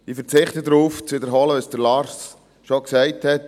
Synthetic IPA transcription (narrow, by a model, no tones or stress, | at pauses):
ifəɾt͡sɪχtədɾuːft͡svɪdəɾɦɔːləʋəsd̥əɾlɑːɾs | ʃɔksæɪthɛt